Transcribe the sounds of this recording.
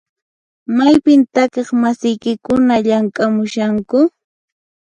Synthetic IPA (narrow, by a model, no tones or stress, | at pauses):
majpɪnt̪akeχmasɪjkɪkʊnaʎaŋkʼamʊʃaŋkʊ